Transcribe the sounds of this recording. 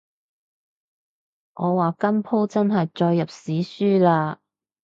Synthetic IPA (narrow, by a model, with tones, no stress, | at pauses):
ŋɔː˨˧waː˨˩kɐ˥mpʰo˥wt͡sɐ˥nɦɐ˨jt͡ʃɔː˧jːɐ˨p̚siː˨˥syː˥laː˧